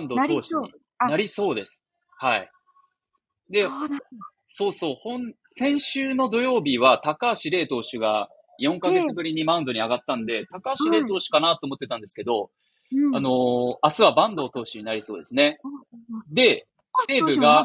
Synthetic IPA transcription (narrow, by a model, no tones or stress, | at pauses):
ãnd̪o̞t̪o̞ːɕiɲḭ | naɾʲiso̞ːd̪e̞sɨ̥ | haḭ | d̪e̞ | so̞ːso̞ːhõ̞n | sẽ̞ɰ̃ɕɨːno̞d̪o̞jo̞ːbʲiβat̪akaːɕiɾe̞ːt̪o̞ːɕɨɡa | jõ̞ŋkaɡe̞t͡sɨbɯ̟ɾʲiɲ̟imãɯ̟̃nd̪o̞ɲ̟iaɡat̪ːãnd̪e̞t̪akaːɕiɾe̞ːt̪o̞ːɕi̥kanat̪o̞ːmo̞t̪ːe̞t̪ãnd̪e̞sɨ̥ke̞d̪o̞ | ano̞asɨβabãnd̪o̞ːt̪o̞ːɕiɲ̟inaɾʲiso̞ːd̪e̞sɨne̞ | d̪e̞ | se̞ːbɯ̟ɡa